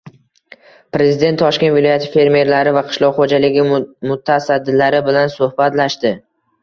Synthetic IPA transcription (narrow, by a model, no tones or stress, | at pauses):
pɾe̞zɪd̪e̞nt̪ʰːɒʃkʲet̪vɪlɒjat̪ʰɪ̥fe̞ɾme̞ɾlaɾɪvaqʰɨ̥ʃlˠɒʁχod͡ʒalɪɡʲɪmʊt̪ʰasad̪ːɪlaɾɪbɪlansohbat̪laʃt̪ɪ